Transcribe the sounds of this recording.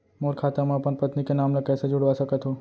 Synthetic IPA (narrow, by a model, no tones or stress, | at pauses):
moːɾkʰaːt̪amãɐpənpɐt̪nikenaːmnlɐkɛːsed͡ʒʊɽʋasɐkət̪ɦoː